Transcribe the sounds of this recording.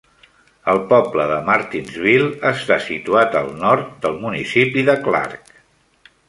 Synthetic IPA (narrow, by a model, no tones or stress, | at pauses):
əlˠpɔbləðəmaɾt̪inzβilˠəst̪asit̪uat̪əlˠnɔɾt̪̚d̪əlˠmunisipiðəkla̰ɾk